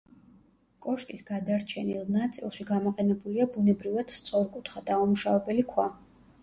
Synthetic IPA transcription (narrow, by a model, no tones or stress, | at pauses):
kʼɔʃkʼisɡad̪aɾt͡ʃʰɛnilˠnat̪sʼḭlˠʃiɡamɔqʼɛnɛbuliabunɛbɾivad̪̥st̪sʼɔɾkʼut̪ʰχad̪aumuʃavɛbɛlikʰwa